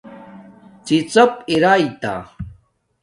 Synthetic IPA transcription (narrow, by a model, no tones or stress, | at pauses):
t͡sit͡səp̚iɾajt̪a̰